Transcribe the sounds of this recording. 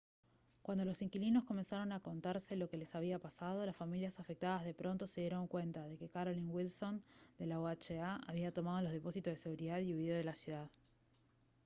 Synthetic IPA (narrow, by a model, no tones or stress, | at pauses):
kwand̪o̞lo̞siŋkilino̞sko̞me̞nsaɾo̞nako̞nt̪aɾse̞lo̞ke̞le̞saβiapasað̞o̞lasfamiljasafek̚t̪aðazðe̞pɾo̞nt̪o̞se̞ðje̞ɾo̞ŋkwe̞nt̪aðe̞ke̞kaɾoliŋwilso̞nd̪e̞laoat͡ʃeaʔaβ̞iat̪o̞mað̞o̞loðe̞po̞sit̪ozðese̞ɣuɾiðaðiuiðoðelasjuð̞að